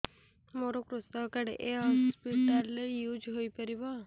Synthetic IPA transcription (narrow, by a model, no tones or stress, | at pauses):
moɾokɾust̪ɔkaɽḛʔeɦɔspiʈaɾlejud͡ʒɦojpɔɾibɔ